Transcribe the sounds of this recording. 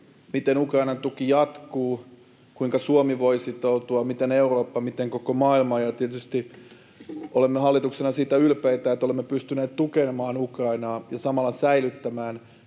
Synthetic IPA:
mit̪enukrɑinɑnt̪ukijɑt̪kuː | kuiŋkɑsuomiʋoisit̪out̪uɑmit̪eneuroːpːɑmit̪eŋkokomɑːilmɑːjɑt̪iet̪yst̪i | ʔolemːehɑlːit̪uksenɑsiːt̪æylpeit̪æet̪ːolemːepyst̪yneːt̪t̪ukemɑːnukrɑinɑːjɑsɑmɑlːɑsæilyt̪ːæmæːn

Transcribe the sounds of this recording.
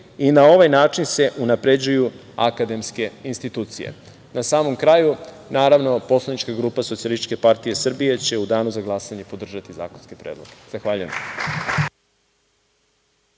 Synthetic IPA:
inao̞ʋajnaːt͡ʂinse̞ʔunapɾe̞d͡ʑuju | a̰kad̪e̞mske̞inst̪it̪uːt̪sijḛ | nasaːmo̞mkɾaːju | naːɾaʋnopo̞slanit͡ʃkaɡɾuːpasot̪ialˠisit͡ʃkepaɾt̪ijesr̩bije̞t͡ɕe̞ud̪aːnuzaɡlˠasaɲe̞po̞d̪r̩ʒat̪iza̰ːko̞nskepɾeːd̪lˠoɡ̥ez̥axʋaːʎujem

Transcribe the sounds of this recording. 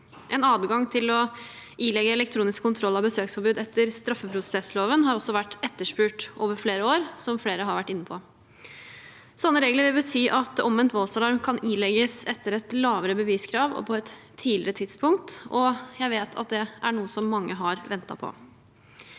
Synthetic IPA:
ʔɛnɑːd̪ɡɑŋt̪ʰɪlɔ | ʔiːlɛɡːəɛlɛk̚t̪ʰɾuːnɪskʰːʊnt̪ʰɾɔlːɑʋbəsøːksfɔɾbʉːd̪ɛt̪ʰːəɾst̪ɾɑfːəpʰɾʊst̪ɛːt̪sloːʋənɦɑɾɔsːɔʋæʈːɛt̪ːəʂpʉːʈʔoːʋəɾfɽeːɾəoːɾsɔmfleːɾəɦɑɾʋæʈːɪnːəpʰɔ | sɔnːəɾeːɡləɾʋɪlbət̪ʰyːʔɑt̪ɔmʋɛnt̪ʋɔlsɑlɑɾmkʰɑnilɛɡəsɛt̪ːəɾɛt̪lɑːʋəɾəbəʋiːskʰɾɑːʋɔ̰pʰɔɛt̪ʰː | iːlɪɾət̪ʰɪd̪spʰʊŋk̚t̪ɔjæɪʋeːt̪ʰɑ̰t̪̚d̪ɛʔæɳuːəsɔmːɑŋːəɦɑɾʋɛnt̪ɑ̰pʰɔ̰

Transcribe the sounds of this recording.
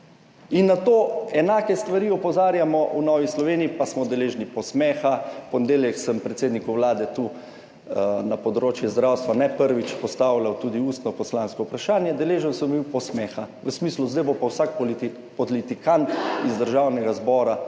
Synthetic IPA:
inːat̪oːɛnaːkɛst̪ʋaɾiːɔpɔzaːɾjamɔʔunɔːʋislɔʋeːniːpasmɔd̪ɛleːʒnipɔsmɛxapɔnɛd̪eːljɛksəmpɾɛt̪seːd̪nikuwlaːd̪ɛt̪uː | napɔd̪ɾoːt͡ʃjɛzd̪ɾawst̪ʋanɛpəɾʋit͡ʃpɔst̪awlawt̪uːd̪iuːst̪nɔpɔslaːnskɔupɾaʃaːnjɛd̪ɛleːʒənsəmbiwpɔsmɛxaʋəsmisluzd̪ajbopawsak | pɔlit̪ikant̪izd̪əɾʒawnɛɡazbɔːɾa

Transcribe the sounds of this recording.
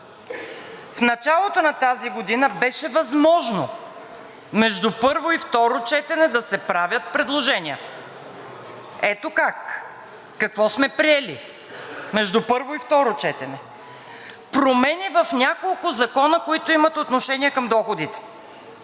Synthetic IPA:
fnɐt͡ʃalˠot̪onɐt̪aziɡod̪inəbɛʃɛvɐzmɔʒno | mɛʒd̪upɤɾvoift̪ɔɾot͡ʃɛt̪ɛnɛd̪ɐsɛpɾavʲjɐt̪̚pɾɛd̪lˠoʒɛniə | ɛt̪okak | kɐkvɔsmɛpɾiɛlḭ | mɛʒd̪upɤɾvoift̪ɔɾot͡ʃɛt̪ɛnɛ | pɾomɛnivɐfnʲakolˠkʊzɐkɔnəkoit̪oimɐt̪ot̪noʃɛnʲiəkɐmd̪ɔxod̪it̪ɛ̥

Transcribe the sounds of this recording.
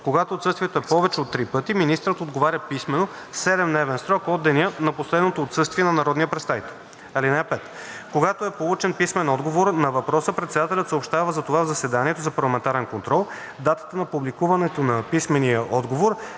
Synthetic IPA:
koɡat̪oːt̪sɤst̪vʲiɛt̪oɛpɔvɛt͡ʃɛot̪ːɾipɤt̪iminist̪ɾət̪od̪ɡovaɾʲəpismɛno | sɛd̪ɛmd̪ɛvɛnsɾɔkɔd̪ːɛnʲjənɐposlɛd̪not̪oːt̪sɤst̪viɛnɐnɐɾɔd̪nijəpɾɛt̪st̪ajt̪ | ɛlinɛpɛt̪ | koɡat̪oɛpolˠut͡ʃɛnpismɛnɔd̪ɡovoɾnɐvɐpɾɔsəpɾɛt̪sɛd̪at̪ɛlʲət̪səopʃt̪avəzɐt̪ovavzɐsɛd̪aniɛt̪ozɐpɐɾlˠɐmɛnt̪aɾɛnkont̪ɾɔlˠ | d̪at̪ə̥t̪ənɐpublikuvɐnɛt̪onɐpismɛnijəʔɔd̪ɡovoɾ

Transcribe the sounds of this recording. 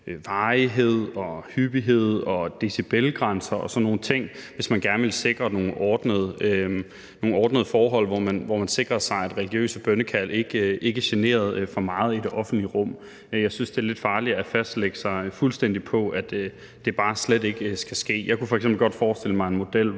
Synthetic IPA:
ʋɑ̈ːɦe̝ð̰ˠɒ̽hyb̥iɦe̝ð̞̰ˠɒ̽d̥e̝sib̥elɡ̥ʁan̰sɐʔɒ̽sɒ̽nːo̝ːn̩t͡sʰe̝ŋ̰ʋe̝smænɡ̥æɐnəʋe̝lse̝ɡ̥ʁɐno̝ːn̩ʔɒːd̥nəðˠəø | no̝ːn̩ɒːd̥nəðˠəfɒːɦɒ̽l̰ʋɒmænʋɒmænse̝ɡ̥ʁɐsɑ̈ɪædʁɛliɡ̥jø̰ːsəb̥œnəkʰæl̰e̝ɡ̥e̝ɡ̥æɕene̝̰ːɐð̞̩ˠfɒ̽mɑ̈ːð̞̩ˠide̝ʔɒ̽fn̩d̥liəʁɔ̽m̰ | jɑ̈ɪsynsd̥e̝æɐle̝d̥fɑ̈ːliæfæsd̥leɡ̥əsɑ̈ɪfulsd̥en̰d̥ipʰɒ̽æd̥ | d̥e̝b̥ɑ̈ːsled̥e̝ɡ̥əsɡ̥æsɡ̥e̝̰ːjɑ̈ɪku̥fɒ̽ɐɪɡsemb̥l̩ɡ̥ɒ̽d̥fɒːsd̥e̝ləmɑ̈ɪe̝nmo̝d̥el̰

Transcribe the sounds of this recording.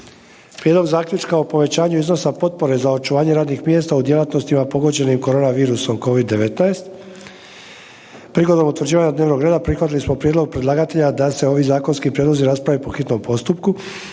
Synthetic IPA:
pɾjed̪lo̞ɡzaːkʎʲut͡ʃkaopo̞ʋe̞t͡ɕaːɲuizno̞sapo̞t̪̚po̞ɾe̞zao̞t͡ʃuʋaːɲe̞ɾaːd̪nixmje̞ːst̪aud̪je̞lˠat̪no̞st̪imapo̞ɡod͡ʑe̞nimko̞ɾo̞ːnaʋiːɾuso̞mko̞ʋid̪ːe̞ʋet̪naest̪ | pɾiɡo̞d̪o̞mut̪ʋr̩d͡ʑiːʋaɲad̪ne̞ːʋno̞ɡɾe̞ːd̪apɾixʋat̪ilismo̞pɾjed̪lo̞ɡ̚pɾedlˠaːɡat̪e̞ʎad̪ase̞o̞ʋizaːko̞nskipɾjed̪lo̞ziɾaspɾaʋepo̞xit̪no̞mpo̞st̪upku

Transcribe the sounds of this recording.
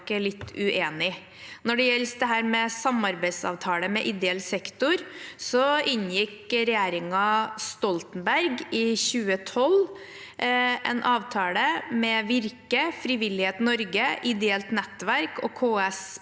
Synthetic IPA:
kːəlɪt̪ːʉʔeːnɪ | nɔɖɛjɛlːsd̪ɛɦæːɾmɛsɑmɑɾbæɪsɑ̰ʋt̪ʰɑːləmɛʔɪd̪ɛɛlsɛkt̪ʊɾsɔɪnjɪkɾɛjeːɾɪŋɑst̪ɔlt̪nbæɾɡɪçʉːət̪ʰɔl | ʔɛ̰nʔɑːʋt̪ʰɑːləmɛʋɪɾkəfɾɪʋɪlːɪheːt̪nɔɾɡəʔɪd̪ɛɛlt̪nɛt̪ːʋæɾkɔ̰kʰoːɛs

